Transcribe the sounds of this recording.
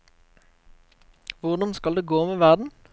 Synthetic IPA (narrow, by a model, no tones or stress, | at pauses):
ʋʊʁd̪ɑnskɑld̪eːɡoːmeːʋæʁd̪n̩